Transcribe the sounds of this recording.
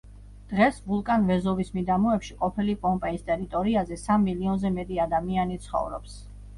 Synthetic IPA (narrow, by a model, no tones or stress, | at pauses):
d̪̥ʁɛsvulˠkʼanvɛzɔvismid̪amɔɛpʃiqʼɔpʰilipʼɔmpʼɛist̪ʼɛɾit̪ʼɔɾiazɛsamːiliɔnzɛmɛt̪ʼiad̪amianit̪sʰχɔ̰vɾɔ̰ps